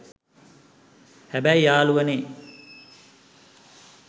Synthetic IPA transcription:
hæbæjjaːluʋɐneː

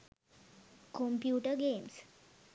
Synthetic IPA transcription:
kompjuːʈəɾɡems

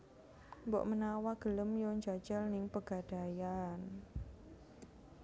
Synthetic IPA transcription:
mbɔ̰ʔmənawaɡ̥ə̤ləmjoɲd͡ʒḁt͡ʃəlnɪŋpəɡ̥ad̥a̤jan

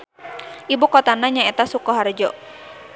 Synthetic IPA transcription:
ʔibukɔt̪anaɲaɛt̪asukɔɦard͡ʒɔ

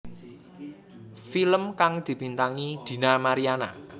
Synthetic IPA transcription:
filəmkaŋd̪̥i̤bint̪aŋid̪̥i̤namaɾiana̰

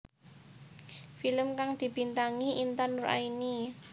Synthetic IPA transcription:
filəmkaŋd̪̥i̤b̥i̤nt̪aŋiʔint̪anura̰ini

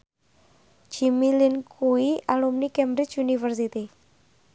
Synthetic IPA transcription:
d͡ʒ̥imilinkuiʔalumnikɛmbɾɪt͡ʃunifərsit̪i

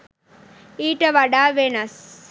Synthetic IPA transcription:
iːʈɐʋɐɖaːʋenɐs

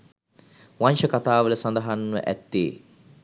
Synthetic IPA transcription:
ʋanʃəkat̪aːʋələsand̪ɐɦanʋə̰ʔæ̰t̪ːḛː

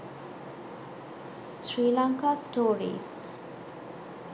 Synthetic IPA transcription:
sɾiːlaŋkaːsʈoːɾḭːs

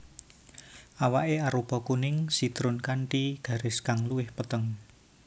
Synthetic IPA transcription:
awaʔeaɾub̥ɔ̤kunɪŋsit̪ɾʊnkaɳʈiɡ̥ä̤ɾɪskaŋluwɪhpət̪əŋ

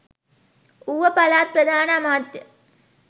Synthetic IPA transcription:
uʋɐpɐlaːt̪̚pɾɐd̪ʱaːnəɐmaːd̪jə

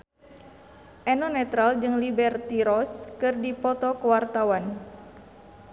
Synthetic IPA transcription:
ʔɛnɔnɛt̪ɾald͡ʒɨŋlibɛrt̪iɾɔskɨrdipɔt̪ɔkəwart̪awan

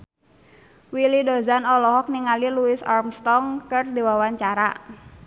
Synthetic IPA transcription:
wilidozanɔlɔɦɔk̚niŋaliluɪsarmst̪ɔŋkərd̪iwawaɲt͡ʃaɾa̰

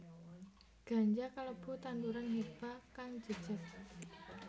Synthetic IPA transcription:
ɡ̥a̤ɲd͡ʒakaləb̥ṳt̪and̪uɾanɦeb̥akaŋd͡ʒə̤dd͡ʒ̥əs

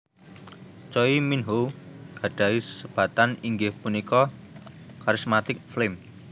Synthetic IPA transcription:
t͡ʃɔiminɦoɡ̥ä̤ɖ̥a̤issəb̥ä̤t̪aniŋɡɪhpunikɔ | kaɾismat̪ɪk̚flem

